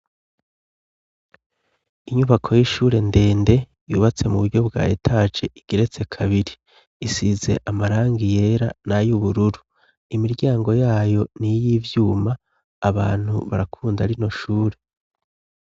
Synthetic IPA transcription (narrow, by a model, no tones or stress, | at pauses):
iɲuβakʰo̞jiʃuːɾe̞nde̞ːnde̞ | juːβat͡se̞muβuɾɟo̞bɡa̰ːjetʰat͡ʃe̞ʔiɡ̥eɾe̞t͡se̞kʰaβiɾiː | size̞̰ʔamaɾaːŋɡije̞ːɾa̰najuβuɾuɾu | imiɾɟaːŋɡo̞jaːjo̞nijivjuːmaː | βaːn̥hṵβa̰ɾakʰuːndaɾino̞ʃuːɾe̞